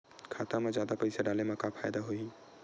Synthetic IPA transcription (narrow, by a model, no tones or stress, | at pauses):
kʰaːt̪amẽzjaːd̪apɐɪseɖaːlemɐ̃kapʰfʰaːjd̪aɦoi